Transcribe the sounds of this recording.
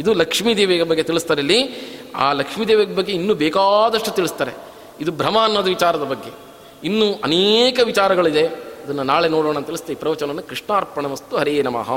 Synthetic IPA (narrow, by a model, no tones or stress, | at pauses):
id̪ulɐkʂmid̪eːʋeːɡɐbɐɡːe̞t̪iɭist̪aːɾɐlːia̰ːlɐkʂmiːd̪eːʋeɡɐbɐɡːe̞inːuːbɛːkaːd̪ɐʂʈut̪iɭist̪aːɾe̞ | id̪ubʱɾɐmaːnʋɐd̪ɐʋit͡ʃaːɾɐd̪ɐbɐɡːe̞ | inːuʔɐneːkɐʋit͡ʃaːɾɐɡɐɭid̪e̞ɐd̪ɐnːɐnaːɭenoːɽoːɽɳɐnt̪iɭist̪eipɾɐʋɐt͡ʃɐnɐnːɐkɾiʂɳaːɾpɐɳɐmɐst̪uɦɐɾiːnɐma̰ːɦɐ̰